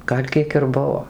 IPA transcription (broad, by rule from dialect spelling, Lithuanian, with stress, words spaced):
ˈɡɐlʲ ˈkʲiɛk ɪr ˈbʊʋoː